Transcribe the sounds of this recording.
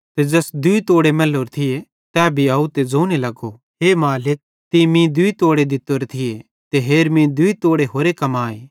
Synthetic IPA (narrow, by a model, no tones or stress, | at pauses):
t̪ed͡ʒɐsd̪ʊit̪oːɽemɛloɾt̪ʰɪje | t̪ɛːbʱiaːut̪ed͡zoːnelɐɡo | ɦeːmaːlɪk̚ | t̪imĩd̪ʊit̪oːɽed̪ɪt̪ːoɾt̪ʰɪje | t̪eɦeːɾmĩd̪ʊit̪oːɽeɦoːɾekɐmaːe